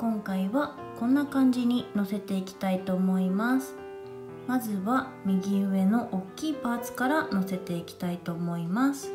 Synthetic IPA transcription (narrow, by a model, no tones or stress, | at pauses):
kõ̞ŋkaiβa | kõ̞nːakãɲ̟d͡ʑiɲ̟ino̞se̞t̪e̞ikʲi̥t̪ait̪o̞ːmo̞imasɨ̥ | mazɨβa | mʲiɡʲiɯ̟βe̞no̞ʔokʲːiːpaːt͡sɨ̥kaɾano̞se̞t̪e̞ikʲi̥t̪ait̪o̞ːmo̞imasɨ̥